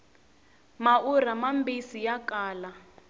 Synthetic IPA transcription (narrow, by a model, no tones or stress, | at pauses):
mauramambisijakaːla